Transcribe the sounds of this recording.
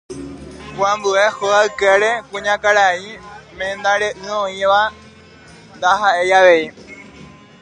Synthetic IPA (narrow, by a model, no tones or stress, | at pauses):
kwãmbue̞hoaɨkeɾe̞kũɲãkaɾaimẽnd̪aɾeʔɨõĩʋa | nd̪aɦaʔe̞jaʋe̞i